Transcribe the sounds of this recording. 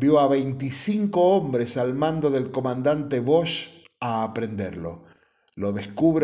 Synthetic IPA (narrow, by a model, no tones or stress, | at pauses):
bjo̞aβejnt̪isiŋkoombɾesalmãnd̪o̞ðelkomãnd̪ant̪eβoʃ | aːpɾend̪eɾlo̰ | lo̞ðeskuβɾ